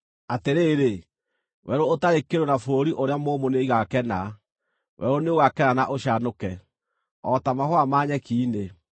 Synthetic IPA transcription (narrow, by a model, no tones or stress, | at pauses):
ateɾeːɾe | wɛɾoːtaɾekeɾonafoɾoɾiʔoɾeamoːmoneiɣakɛna | wɛ̰ɾoneoɣakɛnanaʔoɕanokɛ | ɔtamahwamaːɲɛkiːne